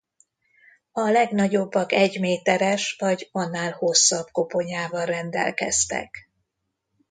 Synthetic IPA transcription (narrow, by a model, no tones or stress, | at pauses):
ɒlɛɡnɒɟo̞bːɒkɛɟmeːt̪ɛɾɛʃvɒɟɒnːaːlho̞sːɒbko̞po̞ɲaːvɒlrɛnd̪ɛ̰lkɛ̰st̪ɛ̰k